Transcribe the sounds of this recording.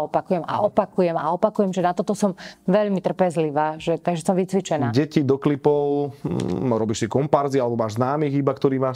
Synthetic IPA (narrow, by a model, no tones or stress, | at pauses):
ɔpakujɛma̰ʔɔpakujɛmaɔpakujɛmʒɛnat̪ɔt̪ɔsɔmʋɛʎmit̪r̩pɛzliʋaːʒɛt̪aɡʒɛsɔmʋit͡sʋit͡ʃɛnaːɟɛcid̪ɔklipɔʊ | ɾɔbiːʃsikɔmpaɾzialɛbɔmaːʒznaːmiːɣibakt̪ɔɾiːmaːʃ